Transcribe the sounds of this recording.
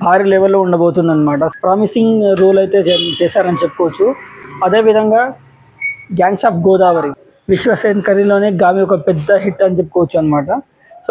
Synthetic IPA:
bʱaːɾiːlɛːʋɐlːoːuɳɖɐboːt̪und̪ɐnːɐmaːʈɐpɾaːmisiŋɡɾuːlɐjt̪e̞ːt͡ʃɛːsaːɾɐnit͡ʃepːu̥kɔʋɐt͡ʃːuɐd̪e̞ːʋid̪ʱɐŋɡaː | ɡjaːnsaːp̚ɡɔːd̪aːʋɐɾi | ʋiʃʋɐseːnkɐɾilo̞ːneːɡaːmiɔkɐpɛd̪ːɐɦiʈːɐnit͡ʃep̬ːu̥kɔʋɐt͡ʃːuɐnːɐmaːʈɐ | s

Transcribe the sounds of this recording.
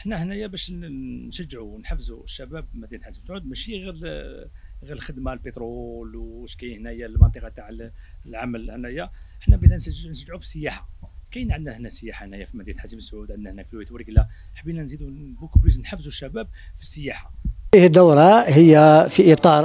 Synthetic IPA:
ʔəħnæhnæjæbæʃnʃəd͡ʒːʕunħəfːzuʃːæbæbfimæd̪jæt̪ħazimsʕud̪mæʃiɣiɾ | ɣiɾəlxəd̪malbet̪ɾolʃkæjhnæjælmɑnt̪ˤəqɑt̪aʕ | lʕamælhnæjæəħnæbilʔænsnʃəʒʕufi̥sːəjːæħakæjnʕəd̪næhnæsəjːæħahnæjæfimæd̪ijæt̪ħaziməsʕud̪ʕəd̪næhnækfilwjət̪wəɾɡlæ | ħəbinænzid̪ubukbiznħəfːzuʃːæbæb̚ | fisːəjːæħaihəd̪ːawɾˤɑhəjːæfiʔit̪ˤɑɾˤ

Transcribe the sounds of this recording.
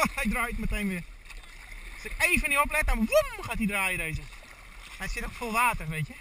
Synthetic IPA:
ɛjdrajətməteːnʋɪ | ɔsɪkeːvəniop̬lɛtəmaʋumxatidraːjədeːzə | ɛtsɪtokfolˠʋaːtərʋeːtjə

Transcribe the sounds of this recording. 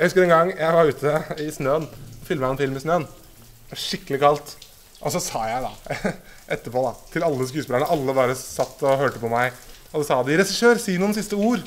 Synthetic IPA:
jæhʉskəɾɛnɡɑŋːjʔæɪʋɑɾʉːt̪ʰəɪsnøːənɔfɪlməɛnfɪlmɪsnøːən | ɑʂɪkːəlɪkɑlt̪ | ʔɔsɔsɑːjæɪd̪ɑ̰ | ʔɛt̪ːəpʰoːd̪ɑt̪ʰɪlɑlːəs̬kʉːspɪləɳəʔɑlːəbɑːɾəsɑt̪ːɔhøːʈəpɔmæɪ | ɔd̪ɛsɑːd̪ɪɾɛsɪʂøːɾsiːnuːənsɪst̪əuːɾ

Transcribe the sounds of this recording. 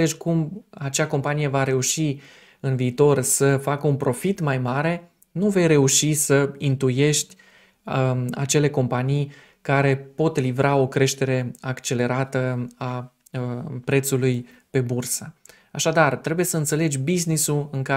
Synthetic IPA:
ed͡ʒʲkumat͡ʃeako̞mpanije̞vaɾe̞uʃi | ɨnviːt̪o̞rsəfakəunpɾo̞fit̪majmaɾe̞ | nuve̞jre̞uʃisəint̪uje̞ʃt̪ʲ | a̰t͡ʃe̞le̞ko̞mpanij | kaɾe̞po̞t̪livɾao̞kɾe̞ʃt̪e̞ɾe̞akt͡ʃe̞le̞ɾat̪əa | pɾe̞t̪suluj | pe̞bursə | aʃad̪art̪ɾe̞buje̞səɨnt̪se̞le̞d͡ʒʲbiznisuɨŋka

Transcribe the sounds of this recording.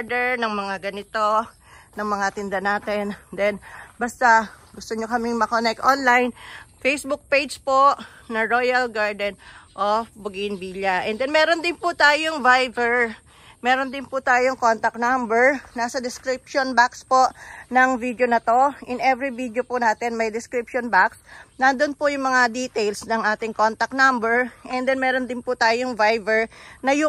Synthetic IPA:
ɹd̪ɛɹnɐŋmɐŋaɡɐnɪt̪o̞ | nɐŋmɐŋat̪ɪnd̪ɐnaːt̪ɛnd̪ɛnbɐst̪aɡʊst̪oɲokɐmɪŋmɐkonɛk̚t̪ʔonlajnfejsbʊk̚pejd͡ʒpoʔ | nɐɹo̞jɐlɡaɹd̪ɛnʔofbʊɡɪnbiːlɐʔɛnd̪ɛnmɛːɾond̪ɪnpʊt̪aːjoŋvajvɛɹ | mɛːɾond̪ɪnpʊt̪aːjoŋko̞nt̪ɐk̚nambɛɹnaːsɐd̪ɪskɾɪpʃonbakspo̞nɐŋvid̪jonɐt̪o̞ʔɪnɛvɾivid̪jopʊnaːt̪ɛnmɐjd̪ɪskɾipʃonbaksnɐnd̪onpʊjʊŋmɐŋad̪iːt̪ɛjlsnɐŋʔaːt̪ɪŋko̞nt̪ɐk̚nambɛɹʔɛnd̪ɛnmɛːɾo̞nd̪ɪnpʊt̪aːjoŋvajvɛɹnɐjʊ

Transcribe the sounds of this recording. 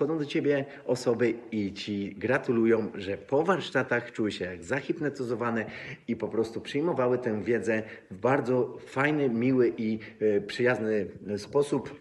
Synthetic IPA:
ɔd̪ɔ̃d̪ɔt͡ɕebʲjɛ | ɔsɔbɘit͡ɕiɡɾat̪ulujɔ̃w̃ʐɛpɔvaɾʂt̪at̪axt͡ʂuwɘɕɛjaɡzaxʲip̪nɛt̪ɔzɔvanɛipɔpɾɔst̪upʂɘjmɔvawɘt̪ɛw̃vʲjɛd̪zɛvbaɾd̪zɔfajnɛmʲiwɘʔipʂɘjaznɘspɔsup

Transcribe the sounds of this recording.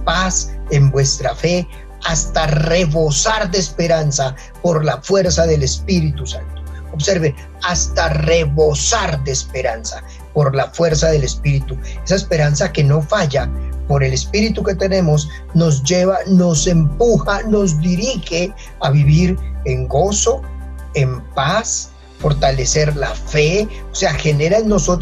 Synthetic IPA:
pasembwe̞st̪ɾafe̞ | ast̪are̞βo̞saɾd̪eːspe̞ɾansa | po̞ɾlafwe̞ɾsaðe̞le̞spiɾit̪usant̪ooβse̞ɾβen | ast̪are̞βo̞saɾd̪e̞ːspe̞ɾansa | po̞ɾlafwe̞ɾsaðe̞le̞spiɾit̪ue̞saespe̞ɾansake̞no̞faʝapo̞ɾe̞le̞spiɾit̪uke̞t̪e̞ne̞mo̞s | no̞z̬d͡ʒe̞βano̞se̞mpuxano̞zd̪iɾixe̞ | aβiβiɾeŋɡo̞so̞ | e̞mpas | fo̞ɾt̪ale̞se̞ɾlafe̞ose̞axe̞ne̞ɾaenːoso̞t̪

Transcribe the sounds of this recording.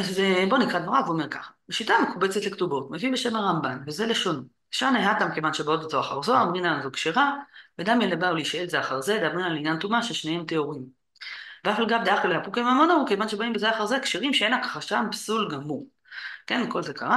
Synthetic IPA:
azebo̞nikʁad̪moʁaveuome̞ʁka̰χḁbeʃitamekubet͡set̪lektubo̞tmevibe̞ʃe̞maʁambanveze̞leʃon | eʃaneɦatamkevanʃebaotezoaχa̰ʁzo̞amʁinazokʃeʁavedamjenlebauleiʃaelzeaχaʁzed̪abʁinalinjantumaʃeʃnehe̞mt̪e̞o̞ʁim | veafalɡamd̪eaχoleapukemamonaukevanʃebaimbezeaχaʁzekʃeʁimʃeenlakḁχaʃanpsulɡamu | ke̞nko̞lze̞ka̰ʁa

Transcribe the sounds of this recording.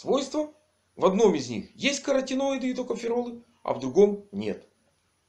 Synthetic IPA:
svo̞jst̪və | vɐd̪no̞mɪzʲnʲḭxjesʲtʲkəɾɐtʲɪnoɪd̪ɨːt̪okəfʲɪɾolˠɨ | ɐ̰vd̪ɾʊɡo̞mnʲe̞̰t̪

